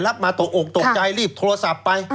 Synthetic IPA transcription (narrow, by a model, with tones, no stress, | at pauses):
la˦˥p̚maː˧t̪o˨˩ʔo˨˩k̚t̪o˨˩k̚t͡ɕa˧jɾiː˥˩p̚t̪ʰoː˧a˧sa˨˩pːa˧j